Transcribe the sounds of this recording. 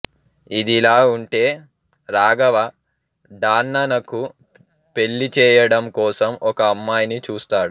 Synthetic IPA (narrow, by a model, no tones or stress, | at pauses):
id̪ilaːuɳʈe̞ː | ɾaːɡɐʋɐ | ɖaːnːɐnɐku | pe̞ɭːit͡ʃɛːjɐɽɐmkɔːsɐmʔɔkɐːmːaːjnit͡ʃuːst̪aːɽu